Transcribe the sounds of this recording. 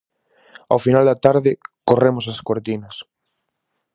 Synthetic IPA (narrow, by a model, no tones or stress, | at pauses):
awfinald̪at̪aɾðɪkoremosaskoɾt̪inɐs